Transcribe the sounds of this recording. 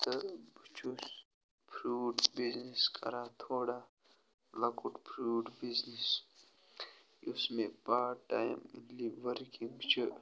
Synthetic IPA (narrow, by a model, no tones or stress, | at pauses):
t̪əbʱʊt͡ʃʰus | pʰɾuːɖbizniskɐ̰ɾat̪ʰoːɽa | lɐkuʈpʰɾuːɖbiznis | ʊsmẽpaːʈaːj̰mliʋəɾkĩŋɡt͡ʃʰu